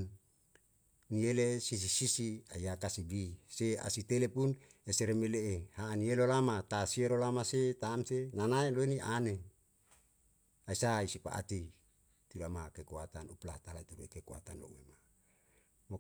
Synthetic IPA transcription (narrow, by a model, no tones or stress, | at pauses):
n | nielesis̬isisia̰jakasibisea̰sit̪elepun | eseɾemeleehaːnielolamat̪asielolamaset̪aːmsenanaeloeniʔane | aisaisipa̰ʔa̰t̪i | t̪uɾamakekuat̪anuplat̪alait̪uɾuekekua̰t̪anlo̰ŋema | mo